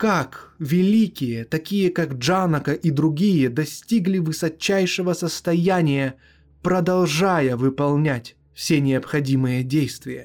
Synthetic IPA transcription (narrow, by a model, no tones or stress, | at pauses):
kakvʲɪlʲikʲɪjət̪ɐkʲijəkaɡʐanəkəʔid̪ɾʊɡʲijəd̪ɐsʲtʲiɡlʲɪvɨsɐt͡ɕːæjʂɨvəsəst̪ɐjænʲɪjə | pɾəd̪ɐlˠʐajəvɨpɐlˠnʲætʲ | fsʲenʲɪɐpxɐdʲimɨjədʲejst̪vʲɪjə̰